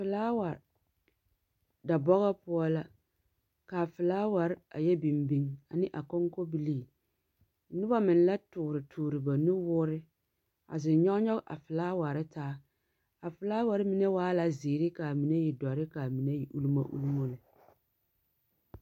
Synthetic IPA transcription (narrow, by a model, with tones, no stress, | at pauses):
fɪ˨laː˦wa˨ɾ | da˨bɔ˦ɣa˦pʊ˦ɔ˦la˦ | ka˨fɪ˨laː˦wa˨ɾɪ˦a̰˨jɛ˦bi˨mbi˦ŋa˨nɪ˦ʔa˨ko˦ŋko˦bi˦liː˦˨˦ | nʊ˦ba˦mɪ˨n˦la˦tʊː˨ɾɪ˨tʰʊː˨ɾɪ˨ba˨nɪ˦wʊː˦ɾɪ˦ | a̰˨zɪ˨˦ɲɔ˦ɡɲɔ˦ɣʔa̰˨fɪ˨laː˦wa˨ɾɪ˦taː˦ | a˨fɪ˨laː˦wa˨ɾɪ˦mi˦ne˦waː˦la˦ziː˨ɾɪ˦ka˨mi˨ne˦ji˨dɔ˨ɾɪ˦ka˨mi˨ne˦ji˨ʔu˦lu˦ma̰˦ʔṵ˦lu˦mo˦lɪ˨